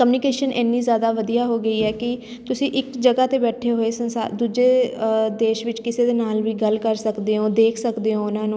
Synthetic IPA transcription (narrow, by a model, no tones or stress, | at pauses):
kəmjuːnɪkeːʃənʔɛːnːiːzjaːd̪aːʋəd̪ijaːɦoːɡəiːɛːkɪ | t̪ʊsĩːʔɪkd͡ʒəɡaːt̪eːbɛːʈʰeːɦoːeːsənsa̰d̪uːd͡ʒeːd̪eːʃʋɪt͡ʃkɪseːd̪eːnaːlʋiːɡəlkəɾsəkd̪eːɦoːd̪eːkʰsəkd̪eːɦoːʊnãːnũː